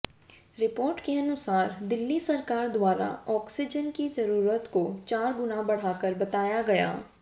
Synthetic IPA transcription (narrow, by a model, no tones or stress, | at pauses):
ɾɪpoːɾʈkeɐnʊsaːɾd̪ɪlːisɐɾkaːɾd̪waːɾa̰ɔːksɪd͡ʒənkizɐɾuːɾət̪kot͡ʃaːɾɡʊnabɐɽ̤aːkəɾbɐt̪aːjaɡɐja̰ː